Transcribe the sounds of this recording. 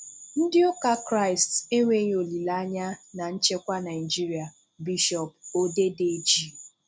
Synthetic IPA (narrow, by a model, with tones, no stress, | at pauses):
n̩˦dɪ˦o˦ka˦kɾa˦ɪ˨ste˦ŋʷe˦ɲ˦o˨li˨la˦a˦ɲa˦na˨ɲ̩˦t͡ʃe˦kʷa˦na˨ɪ˨d͡ʒi˦ɾi˨a˨ | bi˦ʃɔ˨p̚o˦de˦de˦d͡ʒi˦